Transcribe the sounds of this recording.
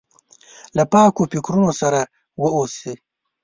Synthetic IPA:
lapɑːkofɪkɾunosaɾa | wəosi

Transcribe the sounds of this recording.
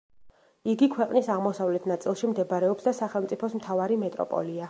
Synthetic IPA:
iɡikʰwɛqʼnisaʁmɔsavlɛt̪ʰnat̪sʼilˠʃimd̪ɛbaɾɛɔpsd̪asaχɛlˠmt̪sʼipʰɔsmt̪ʰavaɾimɛt̪ʼɾɔ̰pʼɔ̰lia

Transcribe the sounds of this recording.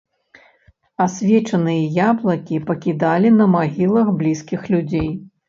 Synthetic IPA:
asʲvʲɛt͡ʂɐnɨjɐjablˠɐkʲipɐkʲid̪alʲinɐmaɣʲilˠɐxblʲiskʲixlʲud͡zʲej

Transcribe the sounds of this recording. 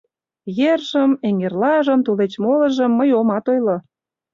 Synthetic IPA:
jerʒəmeŋerlɑʒə̆mt̪ulet͡ɕmolə̆ʒə̆mːəjomɑt̪ojlŏ

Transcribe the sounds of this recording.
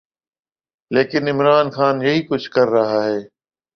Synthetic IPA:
leːkɪnɪmɾaːnxaːnjɐɦikʊd͡ʑʱkɐɾːɐɦaːɦeː

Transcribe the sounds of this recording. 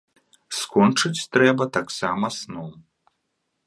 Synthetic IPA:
skɔnt͡ʂɨt͡sʲt̪ɾɛbɐt̪aksamɐsnɔw

